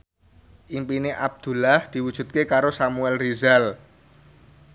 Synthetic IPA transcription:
ʔimpineʔab̚d̪̥ṳlahd̪̥i̤wud̥ʒ̥ṳt̪̚kekaɾosamuɛlrizal

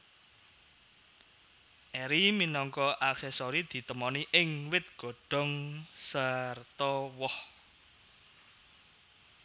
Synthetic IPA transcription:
ʔɛɾiminɔŋkɔʔaksɛsɔɾid̪̥i̤t̪əmɔniʔɪŋwɪt̪̚ɡ̥o̤ɖ̥ɔ̤ŋsart̪ɔwɔh

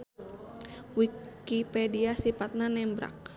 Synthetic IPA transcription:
wikipɛdiasipat̪̚nanɛmbɾa̰k̚

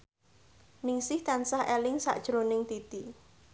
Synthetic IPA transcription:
nɪŋsɪht̪ansahelɪŋsa̰ʔd̥ʒ̥ɾonɪŋt̪it̪i

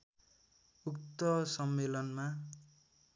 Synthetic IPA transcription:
ukt̪ʌsʌmːelʌnma

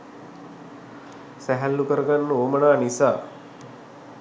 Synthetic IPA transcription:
sæɦælːukəɾəɡanːəoːmənaːnisaː

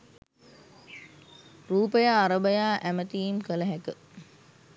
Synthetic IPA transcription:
ruːpəjaːɾəbəjaːʔæmət̪iːmkələɦækə

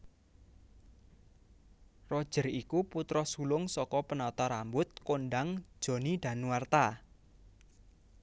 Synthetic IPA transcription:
rɔd̥ʒ̥ə̤rikuput̪ɾɔsulʊŋsɔkɔpənɔt̪ɔɾambʊt̪̚konɖaŋ̥ʒ̥o̤nid̪̥a̤nwart̪a

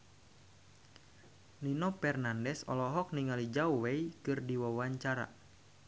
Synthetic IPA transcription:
ninɔpɛrnandɛsɔ̰lɔɦɔk̚niŋalid͡ʒauwɛjkɨrdiwawaɲt͡ʃaɾa̰

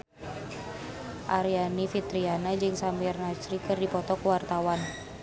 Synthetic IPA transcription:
ʔaɾianifit̪ɾianad͡ʒɨŋsamɛrnat͡ʃɾikɨrdipɔt̪ɔkuwart̪awan

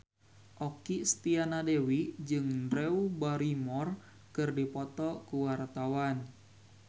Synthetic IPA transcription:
ʔɔkist̪ianadewid͡ʒɨŋdɾɛubaɾimɔr | kɨrdipɔt̪ɔkuwart̪awan

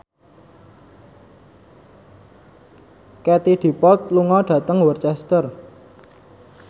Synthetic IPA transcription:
kɛt̪id̪̥i̤pɔlt̪̚luŋɔɖ̥ä̤t̪əŋwərt͡ʃɛst̪ər

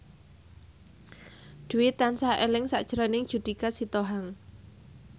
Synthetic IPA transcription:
d̪̥ṳwɪt̪ansaʔelɪŋsa̰ʔd̥ʒ̥əɾanɪŋd̥ʒ̥ṳd̪̥i̤kasit̪oɦaŋ

